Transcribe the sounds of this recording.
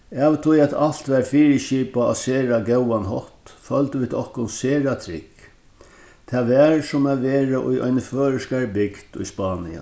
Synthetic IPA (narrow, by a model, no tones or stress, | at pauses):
ɛːʋt̪ʰʊjæt̪al̥t̪ʋɛɾfiːɾəʃiːpaɔ̰seːɾaɡɛwanɦɔht̪fœlt̪əʋiːd̪ɔhkʊnseːɾat̪ʰɾɪ̰k | t̪ʰɛːʋɛɹsʊmaʋeːɹaʔʊ̰jʔɔ̰jnəføːɾɪskaɹbɪkt̪ʊ̰jspaːnɪ̰a̰